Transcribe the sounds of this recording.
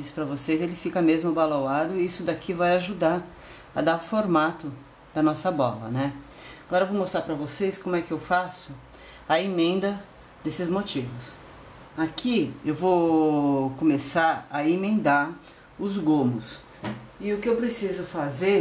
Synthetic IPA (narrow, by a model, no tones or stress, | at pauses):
d͡ʒispɾɐvosejzelɪfikɐmezmʊbalowad̪ʊiisʊd̪akʰivajaʒud̪aɾ | ɐ̰d̪aʊ̃foɾmat̪ʊ | d̪̥ɐnɔsɐbɔ̰lɐ̰nɛ | aɡɔɾɐevowmost̪ɾaɾpɾɐvoseskõmʊɛkɪewfasʊ | ɐemẽnd̪ɐ | d̪esɪzmot͡ʃivʊs | akʰiewvo | kõmesaɾɐemẽnd̪aɾ | ʊzɡõmʊs | ɪʊkɪewpɾesizʊfazeɾ